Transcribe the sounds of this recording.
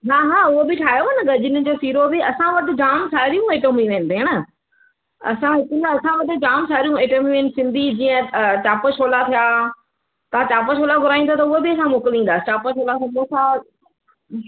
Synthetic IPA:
ɦaːɦaːʊɦobɪʈʰaːɦijoɐnəɡɐd͡ʑɪnə̆d͡ʑoːsiːɾobɪɐsãʋɐʈɪ̆d͡ʑaːmsaːɾijũeːʈomĩʋeɦɪnɪ̆t̪eəɽ̃ə | ɐ̰sãɦɪknɐsãʋɐʈɪ̆d͡ʑaːmsaːɾijũeːʈoːmĩʋeɪnɪ̆sɪ̃nd̪ʱid͡ʑiːə̃t͡ɕaːpəʃoːlat̪ʰijaː | t̪ɐʋ̤ãt͡ɕaːpəʃoːlaɡʱʊɾaːĩnd̪ot̪̬ɐʊɦobɪɐsãmoːkɪlĩːn̆d̪aːsɪt͡ɕaːpəʃoːlasɐbõsã

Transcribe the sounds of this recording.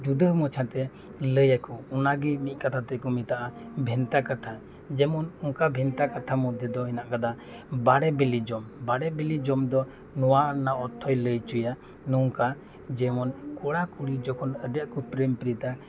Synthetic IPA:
d͡ʒud̪əmɔt͡ʃʰat̪ɛ | ləjakɔɔnaɡimit̪̚ˀkat̪ʰat̪ɛkɔmit̪aʔa | bʱɛnt̪akat̪ʰa | d͡ʒɛmɔnɔŋkabʱɛnt̪akat̪ʰamɔd̪ʱjɔd̪ɔɦɛnaʔkad̪a | baɽɛbɛlid͡ʒɔmbaɽɛbɛlid͡ʒɔmd̪ɔ | nɔwanaɔt̪ʰːɔjləjt͡ʃuja | nɔŋka | d͡ʒɛmɔnkɔɽakuɽid͡ʒɔkʰɔnəɖjaʔkɔpɾɛmpɾit̪a

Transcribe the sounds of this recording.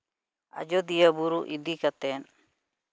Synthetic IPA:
a̰d͡ʒɔd̪ijabuɾuʔid̪ikat̪ɛn

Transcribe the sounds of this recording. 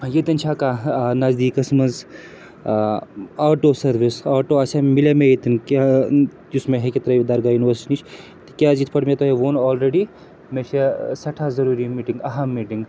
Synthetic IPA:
jet̪int͡ʃʰakanazd̪ikɐsmɐnz | aːʈosɐɾʋisaːʈoɐsamilemejet̪inka | usmeɦeket̪ɐɾɐd̪ɐɾɡajuniʋəɾsi̥ʈinit͡ʃʰ | t̪ikʲjad͡ʒit̪ʰpɐɽmet̪oɦeʋonɔːlɾeɖi | mesʰesɐʈʰazɐɾuːɾimiʈiŋɡɐɦamːiːʈiŋɡ

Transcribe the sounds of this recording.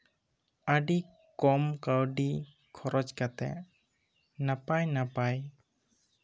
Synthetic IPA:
aɖi | kɔmkawɖi | kʰɔɾʔɔd͡ʒkat̪ɛ̰ʔ | napajnapaj

